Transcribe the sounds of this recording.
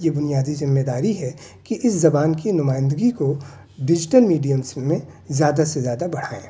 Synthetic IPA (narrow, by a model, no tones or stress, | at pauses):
jebʊnijaːd̪izɪmːed̪aːɾiɦɛkiʔɪszɐbaːnkinʊmaːɪ̃nd̪əɡiko | ɖɪd͡ʒɪʈəlmiːɖijəmsmẽzjaːd̪asezjaːd̪abɐɽ̤aːḛ̃ː